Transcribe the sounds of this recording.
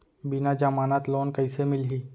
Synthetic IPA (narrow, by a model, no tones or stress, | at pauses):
bɪnad͡ʒamaːnat̪loːnkɐɪsemɪlɦiː